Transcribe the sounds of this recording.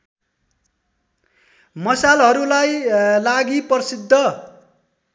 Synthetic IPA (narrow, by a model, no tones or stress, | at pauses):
mʌsalɦʌɾulajlaɡipʌrsid̪ʱːʌ